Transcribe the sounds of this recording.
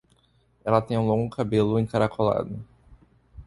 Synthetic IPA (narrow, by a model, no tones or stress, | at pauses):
ɛlɐt̪ẽj̃ũlõŋɡʊkabelʊẽkaɾakʰola̰d̪ʊ